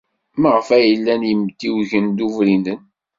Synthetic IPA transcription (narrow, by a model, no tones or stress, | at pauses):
məʁəfæjəlːænjəmt̪ːiwʝənd̪uvɾinən